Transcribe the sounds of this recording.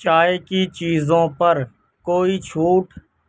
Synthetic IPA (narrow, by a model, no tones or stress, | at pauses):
t͡ʃaːeːkiːt͡ʃiːzõːpəɾ | koːiːt͡ʃʰuːʈ